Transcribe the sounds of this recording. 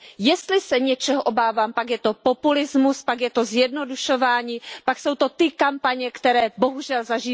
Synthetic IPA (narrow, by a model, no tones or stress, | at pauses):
jɛst̪lɪsɛɲɛt͡ʃɛɦoʔo̞baːvaːmpakjɛt̪o̞populɪzmuspakjɛt̪o̞zjɛdno̞duʃo̞vaːɲiːpakso̞wt̪o̞t̪ɪkampaɲɛkt̪ɛɾɛːbo̞ɦuʒɛlzaʒi